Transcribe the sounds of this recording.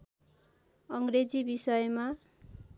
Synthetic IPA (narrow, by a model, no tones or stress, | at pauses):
ʌŋɡred͡zibisʌjma